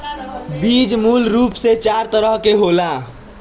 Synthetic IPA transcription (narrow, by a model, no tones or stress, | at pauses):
bid͡ʒmulɾupset͡ʃaɾt̪əɾəɦkeɦola